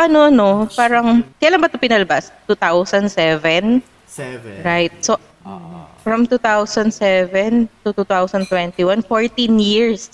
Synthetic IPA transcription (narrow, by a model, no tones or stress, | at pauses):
ʔɐnoʔɐnopaːɾɐŋkɐjalaŋbɐt̪opɪnɐlɐbast̪ut̪awsɐnd̪sɛvɛn | ɹajt̪̚so | fɹɐmt̪uːt̪awsɐnd̪sɛvɛnt̪ut̪ut̪awsɐnd̪t̪wɛnt̪iwanfoɹt̪ĩnjiɹs